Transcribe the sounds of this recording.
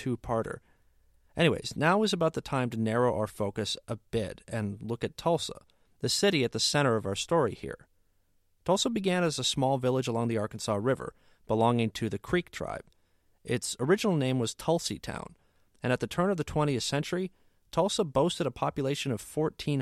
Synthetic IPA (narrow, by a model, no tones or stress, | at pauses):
tʰʉpʰɑɹɾə̰˞ | ʔɛɾ̃iwḛɪznaʊɨzəbaʊt̪̚ðɨtʰãɪ̃mtɨnɛɹoʊʔa̰ʊə˞foʊkɨsʔəbɪ̰ɾɨ̃nlʊkɨtʰɔlˠsə̰ | ðɨsɪɾiɨt̪̚ðɨsɛ̃ɾ̃ə˞ʌvaʊə˞stɔɹḭhḭɹ | tʰɔlˠsəbɨɡæ̃nɨzəsmɔlˠvɪlˠəd͡ʒəlɔ̃ŋðiɑɹkn̩sɑɹɪvə̰˞ | b̥əlɔ̃ŋɪ̃ŋtʰɨðɨkʰɹ̥ik̚tʰɹ̥a̰ɪb̥̚ | ʔɪtsə˞ɪd͡ʒɨnl̩ˠnẽɪ̃mwʌz̥tʰʌlˠsḭtʰã̰ʊ̃n | ɨ̃ñɨt̪̚ðɨtʰɜ̃˞nʌvðɨtʰw̥ɛ̃ɾ̃iɨθsɛ̃nt͡ʃə˞i | tʰɔlˠsəboʊstɨɾəpʰɑpjɨleɪʃɨ̃nʌv̥fɔɹtʰĩn